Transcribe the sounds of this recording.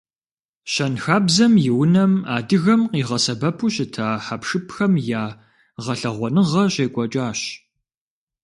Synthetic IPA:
ɕɐnxaːbzɐmjɪwnɐmaːdɨɣɐmqiːʁɐsɐbɐpʰuɕɪtʰaːħapʂɨpʰxɐmjaː | ʁɐɬɐʁʷɔnɨʁɐɕeːkʷʼɔt͡ʃʼaːɕ

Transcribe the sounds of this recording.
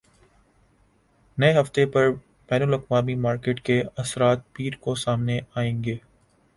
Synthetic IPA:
nɐeɦɐft̪epɐɾ | b̥ɛːnʊlɐkwaːmimaːɾkeːʈkeɐsɾaːt̪̚piːɾkosaːmneaːẽːŋɡeː

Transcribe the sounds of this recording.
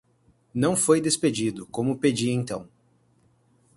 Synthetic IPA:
nɐ̃w̃fojd̪esped͡ʒid̪ʊkõmʊped͡ʒiẽt̪ɐ̃w̃

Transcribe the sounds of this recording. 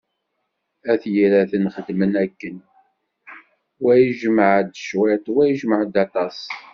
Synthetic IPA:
æθjiɾæθənχəd̪mənækːən | wæjəʒəməʕd̪ʃwæt̪wæjəʒməʕd̪ɑt̪ˤɑs

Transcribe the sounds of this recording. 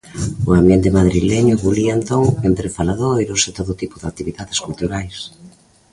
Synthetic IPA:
ʊambjent̪ɪmaðɾileɲʊɣulient̪oŋent̪ɾefalaðojɾoset̪oðʊt̪ipʊðak̚t̪iβiðaðeskult̪uɾajs

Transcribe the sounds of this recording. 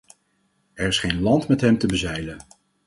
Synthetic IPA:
ɛɹɪsχejnlɑntmɛtɦɛmtəbəzɛjlən

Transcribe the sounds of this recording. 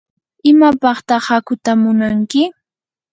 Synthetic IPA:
ɪmapɑχt̪ɑχakʊt̪amʊnaŋkɪ

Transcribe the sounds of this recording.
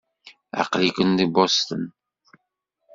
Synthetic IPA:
a̰qlikʷənðibɔst̪ə̰n

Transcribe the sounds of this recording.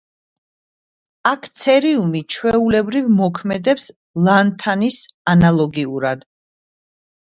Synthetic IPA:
akʰt̪sʰɛɾiumit͡ʃʰwɛulɛbɾivmɔkʰmɛd̪ɛps | lˠant̪ʰanisanalˠɔɡiuɾad̪

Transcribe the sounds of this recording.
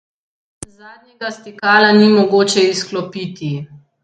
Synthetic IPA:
zaːd̪ɲʲɛɡast̪ikaːlanimɔɡoːt͡ʃɛisklɔpit̪i

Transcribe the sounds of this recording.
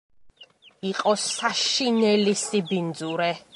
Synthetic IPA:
iqʼɔsaʃinɛlisibind̪zuɾɛ

